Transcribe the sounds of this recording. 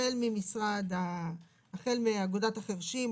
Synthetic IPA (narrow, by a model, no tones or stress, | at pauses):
elmimisʁad̪aː | χe̞lmiaɡodataχeʁʃim